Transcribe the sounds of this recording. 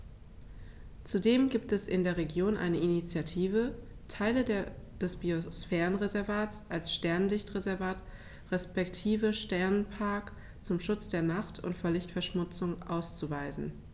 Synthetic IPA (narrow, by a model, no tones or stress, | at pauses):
t͡sudeːmɡiːp̚tɛsʔɪndeːɐʁ̞eɡjoːnʔa̰ɪnəinit͡sjatʰiːvətʰaɪlədeːɐd̥ɛsb̥iosfɛːʁənʁezɛɐvaːtsʔalsʃtɛɐnlɪçtʁezɛɐvaːt | ʁɛspɛktʰiːvəʃtɛɐnənpʰaɐk | t͡sʊmʃʊt͡sd̥eːɐnaχtʰʊ̰ntfɔɐlɪçtfɛɐʃmʊt͡sʊŋʔaʊst͡suvaɪzn̩